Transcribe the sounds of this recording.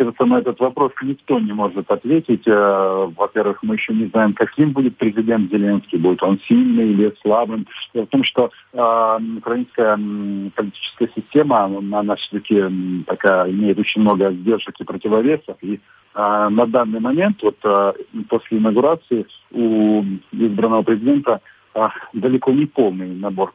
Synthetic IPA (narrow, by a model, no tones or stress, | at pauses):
evət̪sənɐɛt̪ət̪vɐpɾo̞snʲɪkt̪o̞nʲɪmo̞ʐɨt̪ɐt̪vʲetʲɪtʲəvɐpʲe̞rvɨxmɨjɪɕːo̞nʲɪznajɪmkɐkʲimbudʲɪt̪̚pɾʲɪzʲɪdʲe̞nt̪zʲɪlʲe̞nskʲibudʲɪt̪o̞nsʲilʲnɨjilʲɪslˠabɨmdʲelˠəft̪o̞mʂt̪o̞ | ʊkɾɐinskəjəpəlʲɪtʲi̥t͡ɕɪ̥skəjəsʲɪsʲtʲe̞mənanafsʲot̪ɐkʲɪpɐkaɪmʲejɪt̪o̞t͡ɕɪnʲmno̞ɡəzʲdʲe̞rʐɨkʲɪpɾətʲɪvɐvʲe̞səfi | nɐd̪anːɨjmɐmʲe̞nt̪vo̞t̪po̞sʲlʲɪɪnəɡʊɾat̪sɨɪu | izbɾənːəvəpɾʲɪzʲɪdʲe̞nt̪ə | d̪əlʲɪko̞nʲɪpo̞lˠnɨjnɐbo̞r